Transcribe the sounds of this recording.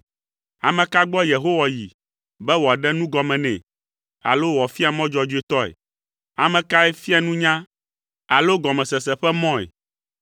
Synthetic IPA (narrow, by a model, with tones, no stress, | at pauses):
a̰˨mɛ̃˨ka˦ɡ͡bɔ˦je˨ɦo˦wa˨ji˨ | bɛ˦wɔ˨a˨ɖɛ˦nũ˦ɡɔ˨mɛ̃˨nɛ̃˨ | a̰˨lo˦wɔ˨fi˦a˨mɔ̃˦d͡ʒɔ˨d͡ʒu˦e˨t̪ɔ˦ɛ̰˨ | a˨mɛ̃˨ka˦ɛ˦fi˦a˨nũ˦ɲã˦ | a˨lo˦ɡɔ˨mɛ̃˨sɛ˨sɛ˨ɸɛ˦mɔ̃˦ɛ̰˨